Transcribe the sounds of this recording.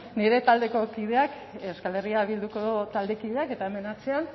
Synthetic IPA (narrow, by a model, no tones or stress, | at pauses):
niɾe̞t̪ald̪e̞ko̞kið̞e̞ak | eskale̞riaβild̪uko̞ðot̪ald̪e̞kiðe̞ake̞t̪aeme̞nat͡sean